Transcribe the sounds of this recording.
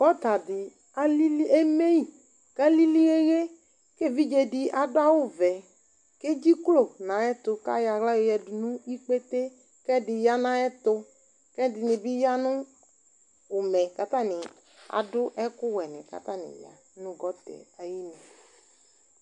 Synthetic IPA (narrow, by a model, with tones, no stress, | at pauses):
bɔ˦t̪a˨dɪ˨ | a˦li˦li˦e˦me˦i˨ | ɡ̥a˦li˦li˦e˦ɣe˦ | ke˦˨vi˦d͡ʒe˨dɪ˨a˨dʊ˦a˦wʊ˦vɛ˨ | ke˦d͡ʒi˦klo˨nã˨˦ɛ˦t̪ʊ˨ka̰˦ja˨ɣla˦jo˨jɛ˨dʊ˨nũ˦i˦k͡pe˦t̪e˦ | kɛ˦dɪ˨ja˦nã˦ɛ˦t̪ʊ˧ | kɛ˦dɪ˨nɪ̃˨bi˦ja˦nʊ̃˦ | ʊ˨mɛ˨ka˦t̪a˦nɪ˨ | a̰˨dʊ˦ʔɛ˦kʊ˦wɛ˨nɪ̰̃˨ka̰˦t̪a˦nɪ̰̃˨ja̰˨˦nũ˦ɡɔ˦t̪ɛ̰˨a˨ji˦nɛ˨